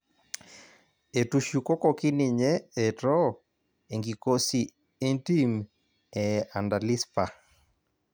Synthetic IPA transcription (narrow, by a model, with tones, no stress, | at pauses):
e˨tu˨ʃju˨ko˦kɔ˨ki˦ni˨ɲɛ˦e˨tɔ˦ | e˨ŋɡi˨ko˦si˨ | e˦nti˦m | ɛ˨a˨nda˨li˦spa˨